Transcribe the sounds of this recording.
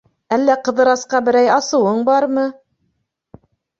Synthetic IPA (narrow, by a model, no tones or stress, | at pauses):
ælːæqɤ̆ðɤ̆ɾɑsqɑbɘ̆ɾæjɑsɤ̆wɤɴbɑɾmɤ